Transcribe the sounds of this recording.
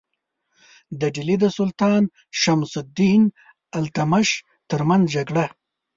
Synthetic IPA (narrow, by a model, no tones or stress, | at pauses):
d̪əɖilid̪əsʊlt̪ɑːn | ʃamsʊd̪in | alt̪amaʃ | t̪əɾmanzd͡ʒaɡɽa